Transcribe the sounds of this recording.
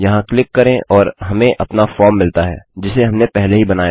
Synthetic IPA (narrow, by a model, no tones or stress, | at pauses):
jɐɦãklɪkːɐɾẽʔʔɔːɾɦɐmẽʔɐpnafɔːɾmːɪlt̪aɦɛ̰ːd͡ʒɪseɦɐmnepɛɦleɦibɐnaːja